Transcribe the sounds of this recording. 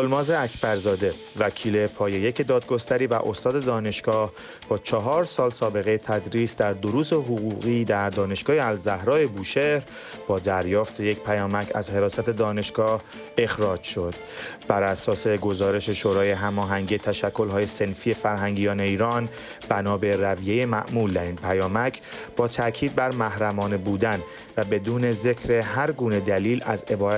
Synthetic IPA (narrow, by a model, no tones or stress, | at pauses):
olmɒːze̞æcʰbæɾzɒːd̪e̞ | væcʰiːle̞pʰɒːje̞je̞cʰed̪ɒːd̪̚ɡo̞st̪æɾiːvæ̰ʔo̞st̪ɒːd̪e̞d̪ɒːne̞ʃɡ̥ɒːh | b̥ɒːt͡ʃʰɒɦɒːɾsɒːlsɒːbe̞ɣejet̪ʰæd̪ɾiːsd̪æɾd̪oɾuːseɦoɣuːɣiːd̪æɾd̪ɒːne̞ʃɡ̥ɒːheælzæhɾɒːje̞buːʃe̞ɾ | bɒːd̪æɾjɒːft̪ʰe̞je̞cʰpʰæjɒːmæcʰæ̰zhe̞ɾɒːsæt̪ʰe̞d̪ɒːne̞ʃɡ̥ɒːh | e̞xɾɒːd͡ʒʃo̞d̪̥ | b̥æɾæsɒːse̞ɡo̞zɒːɾe̞ʃe̞ʃoːɾɒːje̞ɦæmɒːɦæŋɟiet̪ʰæʃækʰːo̞lɦɒːje̞se̞nfiːje̞fæɾɦæŋɟiːjɒːne̞iːɾɒːn | b̥ænɒːbe̞ɾævije̞je̞mæ̰ʔmuːld̪æɾiːnpʰæjɒːmæcʰ | b̥ɒːt̪ʰæcʰiːd̪̚bæɾmæhɾæmɒːnebuːd̪æn | væbe̞d̪uːne̞ze̞cʰɾe̞ɦæɾɡuːne̞d̪æliːlæ̰ze̞bɒːɾ